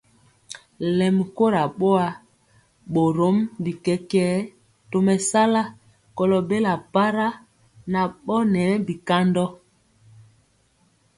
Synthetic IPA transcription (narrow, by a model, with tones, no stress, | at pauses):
lɛ˨m˨ko˦ɾa˨ɓɔ˦a˦ | ɓo˨ɾo˨˦mbi˨kɛ˦kɛː˦ | to˨mɛ˨sa˦la˦ | kɔ˨lɔ˨be˦la˨pa˦ɾa˦ | na˨ɓɔ˦nɛ˨˦bi˨ka˦ndɔ˦